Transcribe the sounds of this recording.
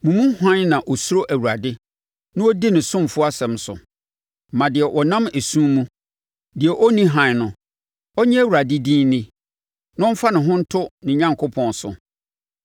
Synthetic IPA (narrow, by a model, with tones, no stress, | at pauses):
mũ˨mũ˦hã˦nã˨ʔɔ˨su˦ɾo˦ʔæ˨wu˨ɾa˨dɪ˦ | nʊ̃˦ɔ˦de˦nɪ̃˨sʊ̃˦m˨fʊ˦a˦sɛ̃˨msʊ̰˨ | m̩˨mã˨dɪ˨ɛ˨ʔɔ˨nã˦mæ˨sũ˦mũ˦ | dɪ˨ɛ˨ʔɔ˦nĩ˦ɦã˨n˨nʊ̃˨ | ɔ˦ɲɛ̃˦æ˦wu˨ɾa˨dɪ˦dĩ˦nnɪ̃˦ | nã˦ɔ̃˦fa˦nɪ̃˨ɦʊ̃˦n̩˦tʰʊ˦nɪ̃˨ɲã˦ŋkʰʊ˦pʰɔ̃˨nsʊ̰˨